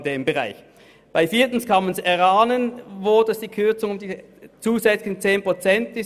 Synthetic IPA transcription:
deːmbəʁa̰ɪç | b̥aɪfiːɐtn̩skʰɑnmansɛɐʁaːnənvʊːdɛsd̥iːkʰʏɐt͡sʊŋʊmdiː | t͡suːzɛt͡slɪçt͡seːnpʁ̥ot͡sɛntɪs

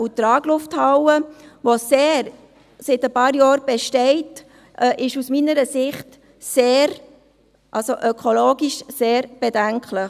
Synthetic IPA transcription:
utɾɑːɡlʊfthɑwəʋoseːɾ | sɪtəpɑːɾjɑːɾb̥ɛʃtɛɪt | ʔʔɪʃusminəɾəsɪχt | seːɾ | ʔɑlsoʔœkʰoloːɡiʃseːɾb̥ɛdæŋkʰlɪχ

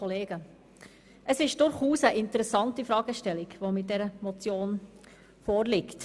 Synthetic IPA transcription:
oleːɡ̥ə | ʔəsɪʃd̥ʊɾχuːsəʔɪntəɾɛsɑntifɾɑːɡ̥əʃtɛliɡʋomɪt̚dɛɾəmɔt͡sjoːn | fɔːɾlɪkt

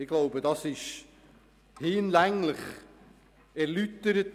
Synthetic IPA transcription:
ɪɡ̥loʊbədɑsɪʃ | hɪnlæŋlɪχ | ɛɾlytːəɾət

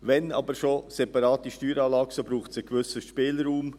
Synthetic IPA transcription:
vɛnɑ̰ːbəɾʃosɛpɑɾɑːtiʃtyːɾɑːlɑːɡ̥sobɾuːχtsəkvʏsəʃpɪːlɾuːm

